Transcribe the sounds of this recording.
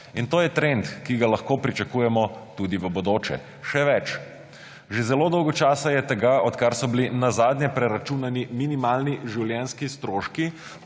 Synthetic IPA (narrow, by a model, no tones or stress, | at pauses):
int̪oːjɛt̪ɾent̪kiɡalɐxkoːpɾit͡ʃakuːjɛmɔt̪uːd̪iʋəbɔd̪oːt͡ʃɛ̰ | ʃɛʋɛt͡ʃ | ʒezɛlod̪ɔwɡɔt͡ʃaːsajɛt̪ɛɡaɔt̪kaɾsɔbilinazaːd̪nʲɛpɾɛɾat͡ʃunaniminimaːlniʒiwljɛnskist̪ɾoːʃki